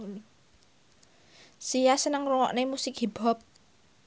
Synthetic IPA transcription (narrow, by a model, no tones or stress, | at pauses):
sijasənəŋruŋɔ̰ʔnemusɪkɦib̥ɔp̚